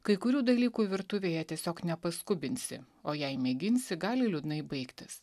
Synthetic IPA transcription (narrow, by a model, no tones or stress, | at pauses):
kɐɪkʊɾʲuːd̪ɐlʲiːkuːʋʲɪɾt̪ʊʋʲeːjɛt̪ʲiɛsʲoːknʲɛpɐskʊbʲɪnʲsʲɪ̰ | oːjɛɪmʲɛɡʲɪnʲsʲɪɡɑːlʲɪlʲʊd̪nɐɪbɐɪkt̪ʲɪs